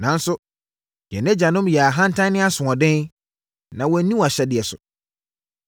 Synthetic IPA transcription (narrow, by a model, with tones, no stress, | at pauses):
nã˨n̩˦sʊ˦ | jɛ˨nɛ̃˦d͡ʑa˨nʊ̃˦mjɛ˨a˨ɦã˦n̩˦tʰã˦nɪ̃˦a˦sʊ̃˨ɔ̃˨dɪ̃˦n | nã˨wɔ˨˦nĩ˦wa˨ɕɛ˦dɪ˨ɛ˨sʊ̰˨